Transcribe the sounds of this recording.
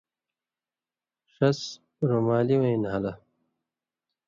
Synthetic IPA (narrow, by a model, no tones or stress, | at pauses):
ʂɐs | ɾomaːliwɐĩnɦɐlɐ